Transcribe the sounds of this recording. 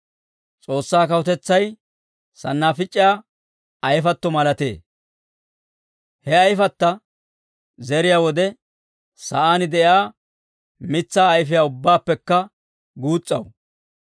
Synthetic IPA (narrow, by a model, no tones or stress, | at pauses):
t͡sʼo̞ːsːaːkɐwʊt̪ɛt͡sːɐj | sɐnːaːfɪt͡ʃʼːɪjaː | ɐjfɐt̪ːɔmɐlɐt̪eː | hɛɐjfɐt̪ːɐ | zɛɾɪjaːwɔd̪ɛ | sɐʔaːnɪd̪ɛʔjaː | mɪt͡sːaːjfɪjaːʊbːaːpːɛkːɐ | ɡuːt͡sʼːɐw